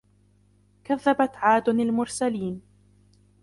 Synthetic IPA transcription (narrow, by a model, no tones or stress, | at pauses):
kaðːabat̪ʕaːd̪ʊnalmʊɾsaliːn